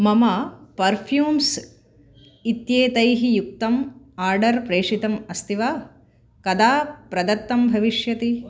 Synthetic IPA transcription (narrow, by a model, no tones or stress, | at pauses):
mɐmɐpɐɾpʰjuːms | it̪jeːt̪ɐjɦijuk̚t̪ɐm | aːɾɖɐɾpɾeːʂit̪ɐmɐst̪ʰiʋaː | kɐd̪aːpɾɐd̪ɐt̪ːɐmbʱɐʋiʂjɐt̪i